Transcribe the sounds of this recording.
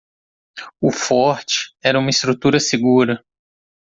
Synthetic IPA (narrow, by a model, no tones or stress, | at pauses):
ʊfɔɾt͡ʃɪ̥ɛɾɐũmɐist̪ɾut̪uɾɐsɪɡuɾɐ